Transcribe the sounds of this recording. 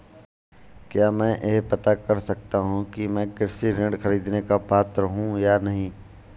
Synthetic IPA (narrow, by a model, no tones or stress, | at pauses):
kjaːmɛ̃ːʔeɦpɐt̪akɐɾsɐk̚t̪aɦũkimɛ̃ːkɛːsiɾẽɳɖxɐɾiːd̪nekapaːt̪ɾəɦũjanɐɦĩː